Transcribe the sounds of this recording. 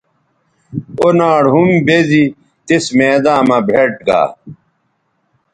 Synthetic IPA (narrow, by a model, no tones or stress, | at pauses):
onaːɽɦumbezi | t̪esmeːd̪ãːmɐbʱeʈ̚ɡa̰ː